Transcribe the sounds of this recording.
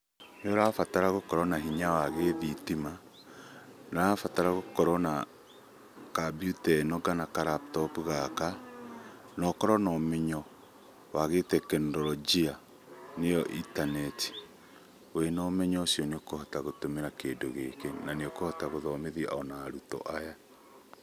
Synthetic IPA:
neɔɾaːfataɾaɣokɔɾɔnaɦiɲawaɣeðitima | naafataɾaɣokɔɾɔna | kabjutɛnɔɡanakaɾap̚tɔpuɣaka | nɔkɔɾɔnɔːmeɲɔ | waɣetɛkɛndɔɾɔd͡ʒia | nejɔʔitanɛti̥ | wenɔmɛɲɔsjɔneokohɔtaɣotomeɾakedoɣḛkenaneokohɔtaɣoðɔmeðiaʔɔnaːɾutɔ̰ʔaja

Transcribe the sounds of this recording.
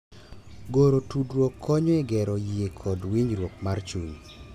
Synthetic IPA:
ɡoɾotudɾwokʰːɔɲɔɛɡɛɾɔjiekʰɔdwiɲɾwok̚mart͡ʃuɲ

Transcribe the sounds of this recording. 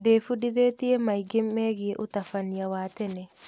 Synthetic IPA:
defudiðet̪iemajɡemːeɡieʔʊtafanijawat̪ɛnɛ

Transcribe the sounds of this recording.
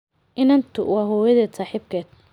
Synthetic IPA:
ʔɪnɐnt̪ʰʊ̰wɑːɦɔːwɐðɛːt̪saːħib̚kʰɛːd̪̚

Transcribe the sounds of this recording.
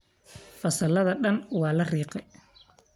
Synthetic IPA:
fɐsɐlɐðɐɗɐnwɑːlɐriːqɛ

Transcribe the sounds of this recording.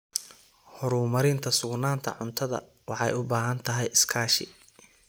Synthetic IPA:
hɔɾuːmɐɾɪnt̪ʰɐsʊɡnaːnt̪ʰɐ̰ʕʊnt̪ʰɐðɐ̰ | wɑħɑ̰jʊbaːɦɐnt̪ʰɐɦɛjɪskʰaːʃɪ̰

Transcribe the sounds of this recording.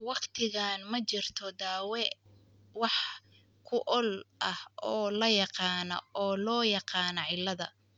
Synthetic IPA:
wɑqt̪ʰɪɣaːnmɐt͡ʃɪrt̪ʰɔd̪aːwɛ | wɑħ | kʰʊʔɔlʔɐhɔːlɐjɑqɑːnɔ̰ɔːlɔːjɑqɑːnɐʕɪlːɐðɐ̰

